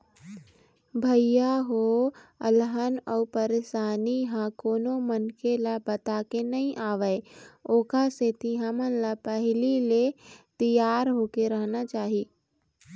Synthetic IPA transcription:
bʱəjjaɦoəlɦanɔpəɾeʃaːniɦãkoːnomənkelabət̪aːkenəɦĩʔaːʋəeoːkaset̪iɦamə̃nlapəɦlilet̪əjaːɾɦoːkeɾəɦnat͡ʃaːɦiː

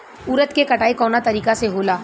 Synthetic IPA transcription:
uːɾət̪kekɐʈaːikɔːnat̪ɐɾiːkaseɦoːlaː

